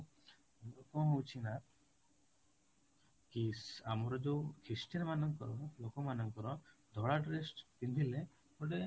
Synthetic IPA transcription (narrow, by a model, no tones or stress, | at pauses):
kɔɦɔ̃ut͡ʃʰina | kisamɔɾɔd͡ʒekʰisʈiɾmanɔŋkɔɾɔlokɔmanɔŋkɔɾɔd̪ʱɔɽaʈɾesʈp̪ind̪ʱile | kɔɖe